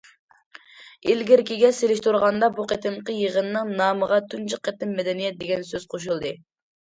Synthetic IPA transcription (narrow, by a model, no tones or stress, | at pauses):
ilɡʲiɾkʲiɡʲɛselɪʃt̪uɾʁɑnd̪ɑbuqʰet̪ɪmqəjeʁənɨnɨŋnɑːməʁɑt̪ʰynt͡ʃʰɪqʰːət̪ɪmːɛd̪ɛnijɛt̪̚d̪eɡʲɛnsøz̥qʰoʃ̬ulˠd̪ɨ